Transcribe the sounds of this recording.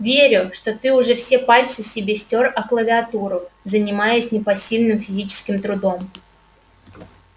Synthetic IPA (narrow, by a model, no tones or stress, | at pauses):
vʲeɾʲʊʂt̪o̞t̪ɨʊʐɛfsʲepalʲt̪sɨsʲɪbʲesʲtʲorɐklˠəvʲɪɐt̪uɾʊzənʲɪmajɪsʲnʲɪpɐsʲilʲnɨmfʲɪzʲit͡ɕɪ̥skʲɪmt̪ɾʊd̪o̞m